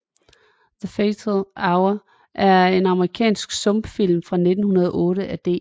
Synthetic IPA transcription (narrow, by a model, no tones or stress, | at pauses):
ðəfeɪt͡sʰlɑ̈ʊɐ | ʔæɐe̝nɑ̈məʁikʰɛ̰ːnsɡ̥sɔ̽mb̥fil̰mfʁɑ̈ne̝d̥n̩hunɐðˠʔɔ̽ːɾəʔæd̥e̝̰ː